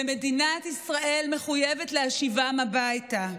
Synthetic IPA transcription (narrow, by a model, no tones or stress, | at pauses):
eme̞dinat̪isʁaʔe̞lme̞χuje̞vet̪leaʃivamabajta